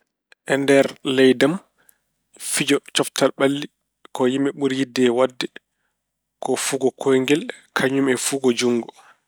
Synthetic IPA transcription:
ʔɛndɛɾlɛjdam | fid͡ʒɔt͡ʃɔftalɓalːi | kɔjimɛɓuɾjidːɛwadːɛ | kɔfuɡɔkʰɔjŋɡɛl | kʰaɲumɛfuːɡɔd͡ʒuŋːɡɔ

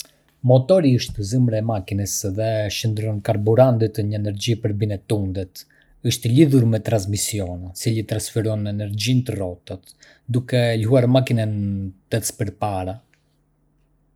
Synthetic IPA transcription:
mɔt̪ɔɾiəʃt̪əzimɾɛɛmakinəsðɛʃənd̪ɾɔnkaɾbuɾand̪it̪əɲəɛnɛɾd͡ʑipəɾbinɛt̪und̪ɛt̪ | əʃt̪əliðuɾmɛt̪ɾansmisjɔnɛsilət̪ɾansfɛɾɔnɛnɛɾd͡ʑint̪ərɔt̪at̪ | d̪ukɛlɦuaɾmakinant̪ɛspəɾpaɾa

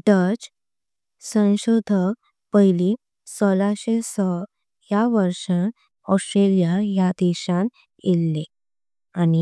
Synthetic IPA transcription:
ɖəd͡ʑ | sə̃w̃ɕod̪ʱək | pəɦili | sɔlaɕesɔ | jaʋəɾʂən | ɔsʈɾelijajad̪ɛɕãn | elːe | ani

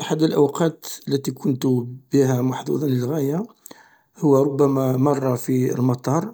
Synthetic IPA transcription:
ʔħad̪ːəlʔawqɑt̪əlːæt̪ikʰʊnt̪b̥iɦæmɑħd̪ṵd̪ɑnləlɣæja | hʊwːæɾˤʊbːæmæmɑrˤːɑfḭlmɑt̪ˤɑɾˤ

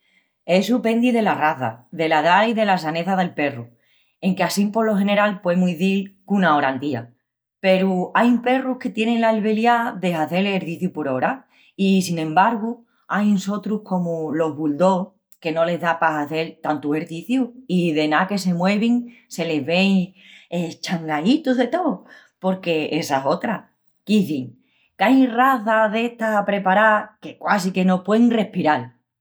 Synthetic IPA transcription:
e̞supe̞nd̪iðe̞laraθa̰ðe̞laðaiðe̞lasane̞θaðe̞lpe̞ru | e̞ŋkeasimpo̞lo̞xe̞ne̞ɾalpwe̞muijðilkunao̞ɾant̪ia̰ | pe̞ɾuajumpe̞ruhke̞t̪je̞ne̞ŋlalβe̞ljaðe̞ɦaθe̞leɾðiθjupoɾo̞ɾa | isinẽ̞mbaɾɣu | ajnso̞t̪ɾuhko̞mulo̞ɦβuld̪o̞ | ke̞no̞le̞zðapasaθe̞lt̪ant̪uɦe̞ɾðiθjuiðe̞nake̞s̬e̞mwe̞β̞iŋse̞le̞zβe̞jet͡ʃaŋɡait̪uɦðe̞t̪o̞ | po̞ɾke̞e̞saso̞t̪ɾa | kiθiŋ | kajraθaðe̞ht̪aapɾe̞paɾake̞kwasike̞no̞pwe̞ŋre̞hpiɾal

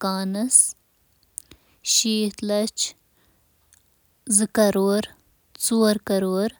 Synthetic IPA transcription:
kaːnɐs | ʃiːt̪lɐt͡ʃ | zɨkɐɾoːɾ | t͡suːɾkɐɾoːɾ

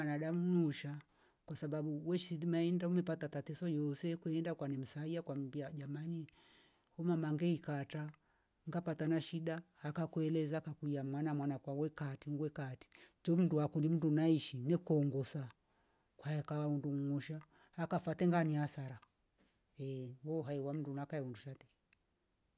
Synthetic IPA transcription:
anaɗamuŋuʃa | kwasaɓaɓuwɛʃiimaɛndaumɛpatatatɛsɔjɔsɛkwɛɛndakwanɛm̩saiakwam̩biad͡ʒamani | hɔmamaŋɡɛikata | ŋɡapatanaʃiɗahakakwɛlɛzakakuiamwanamwanakwawɛkatiŋɡwɛkati̥t͡ʃɔm̩duakundim̩dunaiʃinɛkɔŋɡɔsa | kwaɛkawaundumŋɔʃa | hakafatɛŋɡaniasaɾa | ɛwɔɦaiwam̩dunakaɛunduʃatɛ̥

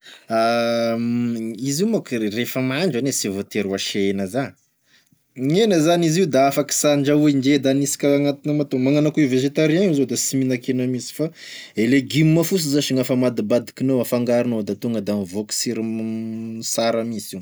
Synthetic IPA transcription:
a | iziumakrefəmaɳɖ͡ʐanesivot̪eɾuaʃeenəza | ɲenəzaniziwd̪aafaki̥saɳd͡ʒauiɳd͡ʒed̪anisi̥kʲaaŋat̪inəmat̪omaŋanakuiveʒet̪aɾiaŋizod̪asiminakenamisi̥fa | eleɡimːafus̬izaʃiŋafamad̪ibad̪i̥kinoafaŋɡaɾinod̪at̪uŋɡəd̪amivoksiɾ | saɾamisiw

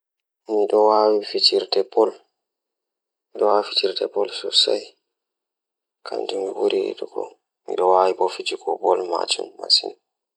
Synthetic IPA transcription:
miɗɔwaːwifit͡ʃiɾtɛpɔl | miɗɔwafitiɾtɛpɔlsɔsa̰j | kʰa̰nd͡ʒumiwoɾḭɗukɔ̰ | mḭɗɔwaːwibɔfit͡ʃikɔbɔlma̰t͡ʃumːa̰sina

